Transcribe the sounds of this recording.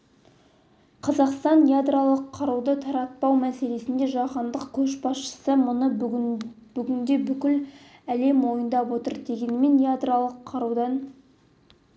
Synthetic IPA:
qʰɑzɑqst̪ɑnjad̪ralˠəqʰːɑɾud̪ət̪ʰɑɾɑt̪̚pɑwmæse̞le̞sɪnd̪e̞ʒɑqɑnd̪əqkʲʰɵʃbɑsʃə̥səmʊnə | b̥ʏɡʲɪnd̪e̞bʏkʲɪlæle̞mwo̞jənd̪ɑpwo̞t̪əɾd̪e̞ɡʲe̞nme̞njad̪ralˠəqʰːɑɾud̪ɑn

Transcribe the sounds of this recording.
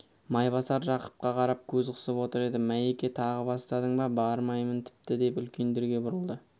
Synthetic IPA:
mɑjbɑsɑɾʒɑqə̥p̚qɑqʰɑɾɑp̚kʲʰɵzqʰʊ̥səpwo̞t̪əɾe̞d̪ɪmæjekʲe̞t̪ʰɑʁəbɑst̪ɑd̪əɴbɑbɑɾmɑjmənt̪ʰɪ̥p̚t̪ɪd̪e̞pʏlkʲe̞nd̪eɾɡʲe̞bʊɾəlˠd̪ə

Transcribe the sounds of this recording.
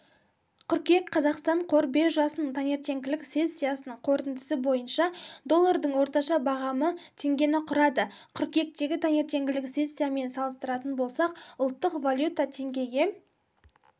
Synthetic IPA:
qʰʏɾkʲe̞kqʰɑzɑqst̪ɑɴqʰo̞ɾbe̞ʒɑsənət̪ʰɑne̞ɾt̪e̞ŋɡʲɪlɪkse̞sːijasənəɴqʰo̞ɾt̪ɪnd̪ɪsɪbo̞jənʃɑd̪o̞lˠːaɾd̪əɴwo̞ɾt̪ɑʃɑbɑʁɑmət̪ʰe̞ŋɡʲe̞nɪqʰʊɾɑd̪əqʰʏɾkʲe̞k̚t̪e̞ɡʲɪt̪ʰɑne̞ɾt̪e̞ŋɡʲɪlɪkse̞sʲːijame̞nsɑlˠəst̪əɾɑt̪ənbo̞lˠsɑqʊlˠt̪ːəqvalʲˠjut̪at̪ʰe̞ŋɡʲe̞ɡʲe̞

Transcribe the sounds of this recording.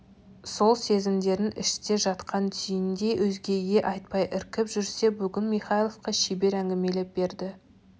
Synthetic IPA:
so̞lˠse̞zɪmd̪e̞ɾɪnʔɪ̰ʃt̪e̞ʒɑt̪qʰɑnt̪ʰʏjɪnd̪e̞jwʔɵzɡʲe̞ɡʲe̞ʔɑjt̪̚pɑjʔɪɾkʲɪpʒʏɾse̞bʏɡʲɪnmiχɑjlˠo̞fqɑʃibe̞ɾæŋɡʲɪme̞lep̚be̞ɾd̪ɪ

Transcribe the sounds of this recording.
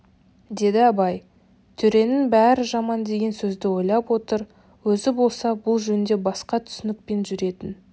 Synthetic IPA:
d̪e̞d̪ɪɑbɑj | t̪ʰɵɾe̞nɪŋbæɾɪʒɑmɑnd̪e̞ɡʲe̞nsɵzd̪ɪwo̞jlˠɑpwo̞t̪əɾ | wɵzɪbo̞lˠsɑbʊlˠʒɵnɪnd̪e̞bɑsqɑt̪ʰʏ̥sɪnɪk̚pe̞nʒʏɾe̞t̪ɪn

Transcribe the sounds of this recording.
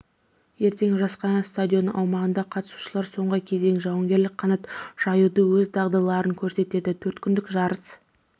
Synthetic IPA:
je̞ɾt̪e̞ŋʒɑsqɑnɑst̪ad̪ʲio̞nəɑwmɑʁənd̪ɑqʰɑt̪əsu̥ʃəlˠɑɾso̞ɴʁəkʲʰe̞ze̞ŋʒɑwɑŋɡʲe̞ɾlɪk̚qʰːɑnɑt̪ʒ̥ɑjud̪əwɵzd̪ɑʁd̪ɑlˠɑɾəŋkʲʰɵɾse̞t̪e̞d̪ɪt̪ʰɵɾt̪kʲʰʏnd̪ɪkʒɑɾəs

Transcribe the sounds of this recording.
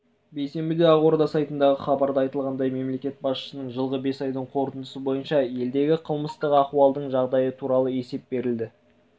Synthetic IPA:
be̞jse̞mbɪd̪e̞ɑʁwoɾd̪ɑsɑjt̪ənd̪ɑʁəχɑbɑɾd̪ɑɑjt̪əlˠʁɑnd̪ɑjme̞mle̞kʲe̞t̪̚bɑsʃə̥sənəɴʒəlˠʁəbe̞sɑjd̪əɴqʰo̞ɾt̪ənd̪əsəbo̞jənʃɑje̞ld̪e̞ɡʲɪqʰəlˠməst̪əqɑqwɑlˠd̪əɴʒɑʁd̪ɑjət̪ʰuɾɑlˠəe̞se̞p̚be̞ɾɪld̪ɪ

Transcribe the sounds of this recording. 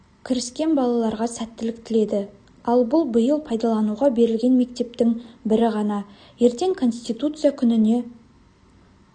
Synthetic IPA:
kʲʰɪɾɪskʲe̞nbɑlˠɑlˠɑɾʁɑsæt̪ːɪlɪkt̪ɪle̞d̪ɪ | ɑlˠbʊlˠbəjəlˠpʰɑjd̪ɑlˠɑnuʁɑbe̞ɾɪlɡʲe̞nme̞k̚t̪e̞p̚t̪ɪŋbɪɾɪʁɑnɑ | je̞ɾt̪e̞ŋkʰo̞nst̪ijt̪ut̪sɨjakʲʰʏnɪne̞

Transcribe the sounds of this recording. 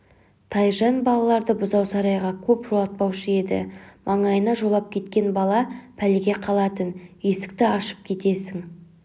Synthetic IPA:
t̪ʰɑjʒɑnbɑlˠɑlˠɑɾd̪əbʊzɑwsɑɾɑjʁɑkʲʰɵpʒ̥olˠɑt̪̚pɑwʃəe̞d̪ɪ̰mʔɑɴɑjənɑʒo̞lˠɑp̚kʲʰe̞t̪kʲe̞nbɑlˠɑpʰælɡʲe̞qʰɑlˠɑt̪ənje̞sɪ̥k̚t̪ɪɑʃə̥p̚kʲʰe̞t̪e̞sɪŋ

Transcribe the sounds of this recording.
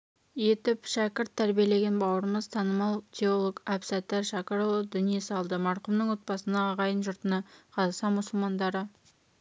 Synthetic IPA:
je̞t̪ɪpʃækʲɪɾt̪ʰːæɾbije̞le̞ɡʲenbɑwəɾəməzt̪ʰɑnəmɑlˠt̪ʰʲeolˠoɡapsæt̪eɾʃɑkɑɾod̪ʏnije̞sɑlˠd̪əmɑɾqəmnəɴwo̞t̪̚bɑsənɑːʁɑjənʒʊɾt̪ənɑqʰɑzɑsɑmʊsəlˠmɑnd̪ɑɾə

